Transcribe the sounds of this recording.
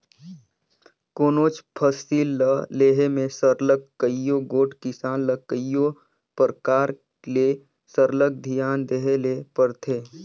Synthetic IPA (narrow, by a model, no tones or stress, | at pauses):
koːnoːt͡ʃpʰəsiːlːəleːɦemẽsəɾləkːəijoɡoːʈkɪsaːnləkəjo | pəɾkaːɾ | le | səɾlək̚d̪ʱijaːnd̪eːɦelepəɾt̪ʰeː